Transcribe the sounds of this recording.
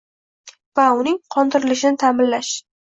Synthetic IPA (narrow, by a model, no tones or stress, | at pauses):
vaʊnɪŋqʰɒnd̪ɪɾɪlɪʃɪnɪt̪ʰamɪnlaʃ